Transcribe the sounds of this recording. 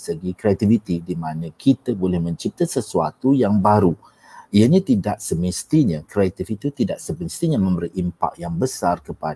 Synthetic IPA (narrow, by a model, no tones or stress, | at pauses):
səɡikɾeat̪ivit̪idimãnãkʰit̪əbolɛhmə̃ɲt͡ʃip̚t̪asəsua̰t̪ujaŋbaɾu | iaɲãt̪idaʔsəmist̪iɲãkɾeat̪ifit̪ut̪idaʔsəbənst̪iɲamə̃mbəɾiʔimpa̰kjaŋbəsarkəpa